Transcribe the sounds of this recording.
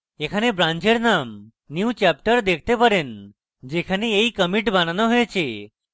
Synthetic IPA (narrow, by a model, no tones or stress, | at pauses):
ekʰanebɾãɲt͡ʃeɽnam | njut͡ɕɛp̚ʈəɾd̪ekʰt̪epəɾen | d͡ʑekʰaneeikəmiʈbananoɦoet͡ɕʰe